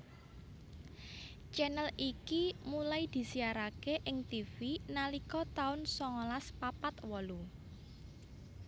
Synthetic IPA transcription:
t͡ʃɛnəlikimulajd̪̥i̤siaɾakeʔɪŋt̪ifinalikɔt̪aʊnsɔŋɔlaspapat̪wɔlu

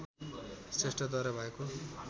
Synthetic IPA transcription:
sesʈʌd̪ʌɾʌbʱʌeko

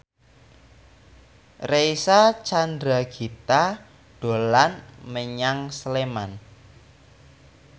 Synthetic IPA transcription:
reisat͡ʃand̪ɾaɡ̥i̤t̪a | ɖ̥o̤lanməɲaŋsleman

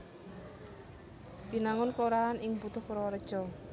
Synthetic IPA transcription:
b̥i̤naŋʊnkloɾaanʔɪŋbut̪ʊhuɾɔwɾəd̥ʒ̥ɔ̤

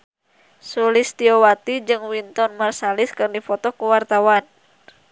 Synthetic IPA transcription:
sulist̪iɔwat̪id͡ʒɨŋwint̪ɔnmarsaliskɨrdifɔt̪ɔkuwart̪awan

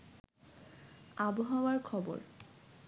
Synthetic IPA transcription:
abɔɦawaɹkʰɔbɔ̰ɹ

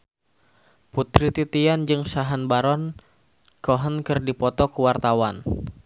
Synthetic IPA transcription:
put̪ɾit̪it̪iand͡ʒɨŋsaɦanbaɾɔn | kɔɦənkɨrdipɔt̪ɔkəwart̪awan

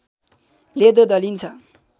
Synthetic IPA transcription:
led̪od̪ʌlint͡sʰʌ

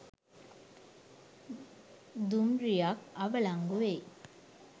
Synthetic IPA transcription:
d̪umɾijakɐʋɐɭaŋɡuʋe

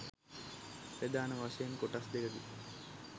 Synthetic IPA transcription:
pɾed̪aːnəʋaʂɐjenkoʈasd̪eɡəd̪ḭ

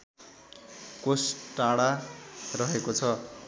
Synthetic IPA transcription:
kosʈaɽarʌɦekot͡sʰʌ

